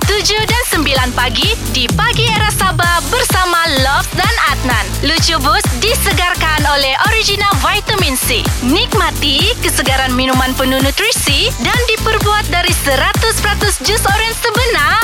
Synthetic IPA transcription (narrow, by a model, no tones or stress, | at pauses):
t̪ud͡ʒudansəmbilanpaɡidipaɡieɾasababərsamalɔft̪̚danat̪̚nanlut͡ʃubusdisəɡarkanolɛhʔoɾid͡ʒinalvajt̪əminsḭnik̚mat̪ikəsəɡaɾanminumanpənunut̪ɾisidandipərbuat̪̚daɾisəɾat̪ʊspəɾat̪ʊsd͡ʒusɔɾɛnsəbəna